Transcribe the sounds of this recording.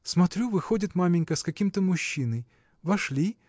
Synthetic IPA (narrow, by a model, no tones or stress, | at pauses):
smɐt̪ɾʲuvɨxodʲɪt̪mamʲɪnʲkəskɐkʲimt̪əmʊɕːinɨj | vɐʂlʲi